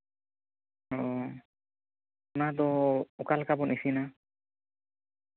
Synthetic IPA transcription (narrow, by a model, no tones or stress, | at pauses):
ɔ | unad̪ɔukalkabɔnisina